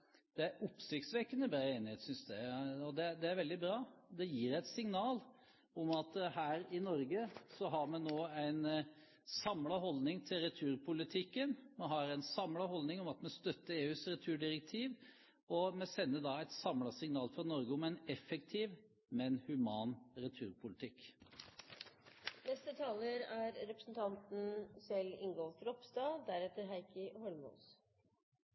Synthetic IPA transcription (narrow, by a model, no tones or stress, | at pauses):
d̪̥ɛæɾʔʊpsɪkt̪sʋɛkːənəbɾɑːeːnɪheːt̪sʏnsd̪æɔd̪ɛd̪ɛæɾʋɛld̪ɪbɾɑːd̪ɛjiːɾæɪt̪sɪŋnɑːl | ɔmɑt̪hæːɾɪnɔɾɡəsɔɦɑɾmɛnoːæɪn | sɑmlɑɦɔlnɪŋt̪ʰɪlɾɛt̪ʰʉːɾpʰʊlɪt̪ʰɪkːənmɛɦɑɾæɪnsɑmlɑɦɔlnɪŋɔmɑt̪mɛst̪œt̪ːəɾeːʉːsɾɛt̪ʰʉːɖɪɾɛk̚t̪ʰiːʋ | ɔmɛsɛnːəd̪ɑːɛt̪sɑmlɑsɪŋnɑːlfɾɑnɔɾɡəɔmɛɪnɛfɛkt̪ʰiːʋ | mɛnhʉmɑːnɾɛt̪ʰʉːɾpʰʊlɪt̪ʰɪkː | nɛst̪ət̪ʰɑːləɾæɾɾɛpɾəsn̩t̪ʰɑnt̪n̩sɛlɪ̰ŋɡɔlt̪ɾɔpsd̪ɑːd̪æɾɛt̪ːəɾɦæɪkəhɔlmṵs